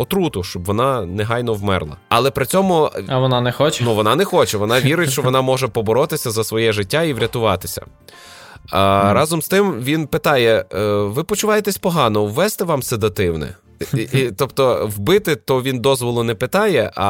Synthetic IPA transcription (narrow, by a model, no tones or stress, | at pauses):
ɔt̪ɾut̪ʊʃt͡ʃɔbʋɔnɑnɛɦɑjn̪ɔwmɛrlˠɐ̰ɐlˠɛpɾɪt͡sʲɔmʊɐʋɔnɑnɛxɔt͡ʃnuʋɔnɑnɛxɔt͡ʃɛʋɔnɑʋʲiɾɪtʲʃt͡ʃɔʋɔnɑmɔʒɛpɔbɔɾɔt̪ɪsʲɐzɐsʋɔjɛʒɪtʲːaiʋɾʲɐt̪ʊʋɑt̪ɪsʲɐ̰ | ɾɑzɔmst̪ɪmʋʲinpɪt̪ɑjɛʋɪpɔt͡ʃʊʋɑjet̪ɛsʲpɔɦɑnɔwːɛst̪ɛʋɑmsɛd̪ɐt̪ɪwnɛ̰ | it̪ɔpt̪ɔwbɪt̪ɪt̪ɔʋʲind̪ɔzʋɔlˠʊnɛpɪt̪ɑjɛʔɐ̰